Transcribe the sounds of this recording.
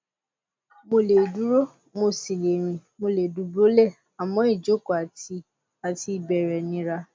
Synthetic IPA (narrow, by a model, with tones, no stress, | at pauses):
mo˧le˨du˨˦ɾo˦ | mo˧si˨le˨ɾ̃ĩ˨mo˧le˨du˨˦bo˦lɛ˦˨ | a˨mɔ̃˨˦i˦˨d͡ʒo˨˦ko˨a˨ti˧ | a˨ti˧˦˨bɛ˨ɾɛ˨nĩ˧˦ɾa˧